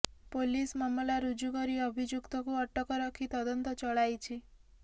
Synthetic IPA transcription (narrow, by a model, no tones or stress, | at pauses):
polismɔmɔlaɾud͡ʒukɔɾiɔbʱid͡ʒjukt̪ɔkuɔʈʰɔkɔɾɔkʰit̪ɔd̪ɔnt̪ɔt͡ʃɔɭajt͡ʃʰi